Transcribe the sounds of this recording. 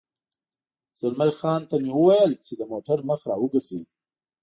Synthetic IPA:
z̥ʊlmalxɑnt̪amewəwajəlt͡ʃed̪əmoʈaɾməxɾɑwəɡəɾzewi

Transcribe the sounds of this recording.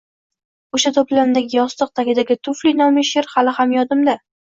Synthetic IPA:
oʃat̪ʰoplanɪd̪aɡʲɪjɒst̪ɨq̚t̪ʰakʲɪd̪aɡʲɪt̪ʰʊflinɒmɪʃɪɾhalɪhamjɒd̪ɪmd̪a

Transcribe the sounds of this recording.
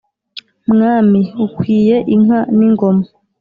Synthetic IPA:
mŋaːmiukwiːje̞ʔiŋ̥aniŋɡo̞ma

